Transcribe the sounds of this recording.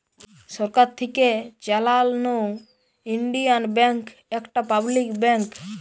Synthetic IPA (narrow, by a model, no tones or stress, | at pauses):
sɔɾkaɾt̪ʰiket͡ʃɛlalnu | iɳɖijanbɛ̃ŋk | ekʈapablikbɛ̃ŋk